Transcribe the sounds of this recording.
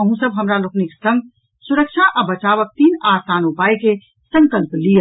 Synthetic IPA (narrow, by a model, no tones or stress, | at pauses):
əɦũsɐbɦɐmɾalʊknɪksɐ̃ŋɡ | sʊɾəkʃʰaʔɐbɐt͡ʃaːʋək̚t̪iːnaːsaːnupaːike | sə̃ŋkəlplijə